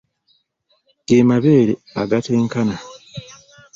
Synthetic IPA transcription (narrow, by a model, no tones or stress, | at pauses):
ɡ̥eːmaβe̞ːɾe | aɡateːŋkana